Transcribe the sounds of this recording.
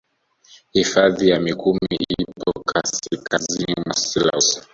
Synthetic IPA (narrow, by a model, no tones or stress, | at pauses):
hifaðijamikummiipʰɔkʰasikʰazinimasila̰s